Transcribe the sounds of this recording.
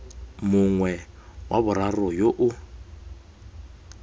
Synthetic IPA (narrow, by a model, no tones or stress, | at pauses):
mʊŋwɛ | waβʊɾarʊjoʔʊ